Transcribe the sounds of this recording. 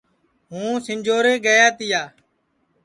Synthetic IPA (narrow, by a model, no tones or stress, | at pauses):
ɦũːsɪnʲd͡ʒʱoːɾeːɡəjaːt̪ɪjaː